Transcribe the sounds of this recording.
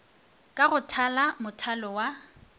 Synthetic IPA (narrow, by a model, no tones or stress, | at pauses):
kʼaɣʊtʰalamʊtʰalɔwa